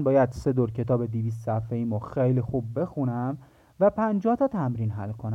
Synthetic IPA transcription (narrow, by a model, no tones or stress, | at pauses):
nbɒːjæd̪se̞d̪oɾcʰe̞t̪ʰɒːbed̪iviːs̬t̪sæfeiːmoxejlixub̚ːe̞xunæm | væpʰænd͡ʒɒːht̪ʰɒːt̪ʰæmɾiːnɦæ̰lkʰonæ